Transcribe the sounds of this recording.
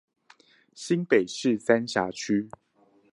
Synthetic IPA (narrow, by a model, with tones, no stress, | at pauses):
ɕi˦˥ŋpe˨˩ɪʂɻ̩˥˨sa˦nɕja˨˥t͡ɕʰy˦